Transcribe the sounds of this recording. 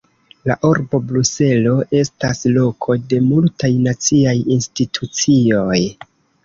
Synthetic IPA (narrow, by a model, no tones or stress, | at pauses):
laʔoɾbo̞bluse̞lo̞ʔe̞staslo̞kʰo̞de̞multajnat͡siajinstitʰut͡sio̞j